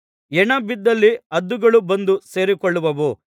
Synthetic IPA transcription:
ɛɳɐbid̪ːɐlːiɐd̪ːuɡɐɭubɐnd̪use̞ːɾikɔɭːuʋɐʋu

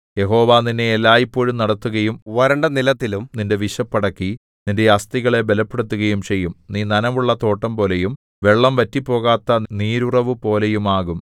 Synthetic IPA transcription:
je̞ɦo̞ːʋaːninːeːlːaːjipːo̞ːɻumnɐɽɐt̪ːuɣɐjumʋɐɾɐɳɖɐnilɐt̪ːilumninde̞ʋiʂɐpːɐɽɐkːi | ninde̞ɐst̪iɣɐɭe̞be̞lɐpːeɽut̪ːuɣɐjumt͡ɕe̞jːumniːnɐnɐʋuɭːɐt̪o̞ːʈːɐmpo̞ːle̞jum | ʋe̞ɭːɐmʋɐtːipːo̞ːɣaːt̪ːɐniːɾurɐʋupo̞ːle̞jumaːɣum

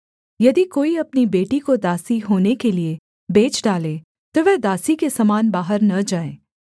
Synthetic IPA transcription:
jɐd̪ikoːiɐpnibeːʈikod̪aːsiɦoːnekelie | beːt͡ʃɖaːleː | t̪oʋɛd̪aːsikesɐmaːnbaːɦəɾnɐd͡ʒaːeː

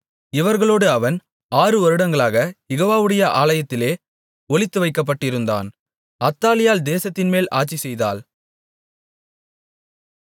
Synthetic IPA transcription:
ɪʋɐɾɣɐɭoːɽɯɐʋɐn | aːrɯɔɾɯɽɐŋɡɐɭaːɣɐjɛɣoːʋaːʋɯɽɐjɐʔaːlɐjɐt̪ːɪleː | ɔɭɪt̪ːɯʋɐɪkːɐp̬ːɐʈːɪɾɯnd̪a̰ːn | ɐt̪ːaːlɪjaːld̪eːsɐt̪ːɪnmeːlʔa̰ːt͡ʃːisɛjðaːl

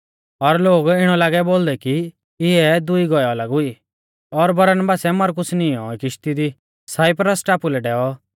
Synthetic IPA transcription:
ɔɾloːɡɪɽ̃ɔlaːɡɛboːld̪ɛki | ɪɛd̪ʊiɡɔjɔlaːɡʊi | ɔɾbɐɾənbaːsɛmɐɾkʊsniːɔikɪʃt̪id̪i | saːɪpɾəsʈaːpulɛɖɛːɔ

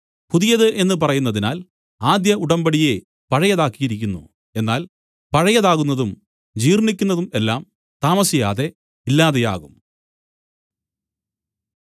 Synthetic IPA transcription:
puðijɐðɨʔe̞nːɨp̬ɐrɐjunːɐðinaːl | aːd̪jɐuɽɐmbɐɽije̞ | pɐɻɐjɐðaːkːijiɾikʲːunːṵ | e̞nːaːl | pɐɻɐjɐðaːɣunːɐðum | d͡ʑiːrɳikʲːunːɐðume̞lːaːm | t̪aːmɐsijaːðe̞ | ilːaːðeja̰ːɣum

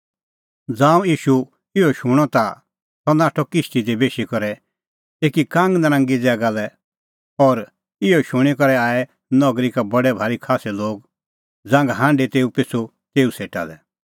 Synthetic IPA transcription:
d͡zãːũjiːʃu | ɪɔʃũɔt̪a | t̪ɔnaːʈʰɔkɪʃʈid̪ebeːʃikɔɾɛ | eːkikãːŋɡnəɾãːŋɡid͡zɛːɡalɛ | ɔɾ | ɪɔʃʊɽ̃ikɔɾɛaːɛ | nɔɡɾikabɐɽɛbʱaːɾikʰaːsɛloːɡ̚ | d͡zãːŋɡɦãːɳɖet̪eːupɪt͡sʰu | t̪eːuseːʈa̰lɛ

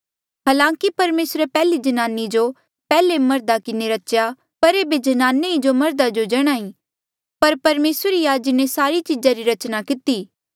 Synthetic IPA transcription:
ɦaːlãːkipɐɾmeːsɾepɛːlid͡ʒɐnaːnid͡ʒo | pɛːlemɐɾd̪akɪneɾɐʃja | pɐɾeːbed͡ʒɐnaːneid͡ʒomɐɾd̪ad͡ʒod͡ʒɐɽ̃aːĩ | pɐɾpɐɾmeːsɾijaːd͡ʒnesaːɾit͡ʃɪd͡ʒaɾiɾɐt͡ʃnakɪt̪iː

